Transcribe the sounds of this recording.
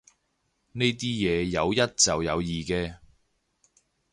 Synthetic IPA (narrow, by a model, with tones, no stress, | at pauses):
ne˥jt̪̬iː˥jɛː˨˧jɐ˨˧wjɐ˥t̚t͡sɐ˨wjɐ˨˧wjiː˨kɛː˧